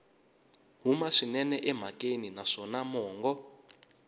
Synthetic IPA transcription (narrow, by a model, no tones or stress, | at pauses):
ɦumaʂinɛnɛʔɛm̤akʼeninaʂɔnamɔːŋɡɔ